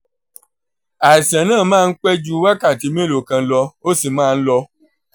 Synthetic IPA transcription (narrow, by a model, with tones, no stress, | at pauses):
a˨i˨sã˨nãː˦˨mãː˦˧n̩˦k͡pɛ˦d͡ʒu˦wa˦ka˦˨ti˨˦mĩ˦lo˨kã˧˦lɔ˧o˦si˦˨mãː˦˨˧n̩˦lɔ˧